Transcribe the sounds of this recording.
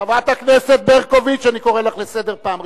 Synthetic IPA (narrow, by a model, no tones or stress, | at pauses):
avat̪hakneset̪̚beʁko̞vit͡ʃaniko̞ʁelaχlese̞d̪eʁpaːm